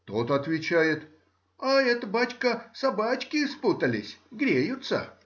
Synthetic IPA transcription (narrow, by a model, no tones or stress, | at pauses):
t̪ot̪ɐt̪vʲɪt͡ɕæjɪt̪ | aɛt̪əbat͡ɕʲkəsɐbat͡ɕkʲɪsput̪əlʲɪsʲɡɾʲejʊt̪sə̰